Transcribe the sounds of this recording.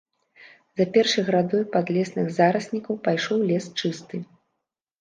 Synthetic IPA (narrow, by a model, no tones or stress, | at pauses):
zɐpʲɛrʂɨjɣɾad̪ɔjpad̪lʲɛsnɨɣzaɾɐsʲnʲikɐwpajʂɔwlʲɛst͡ʂɨst̪ɨ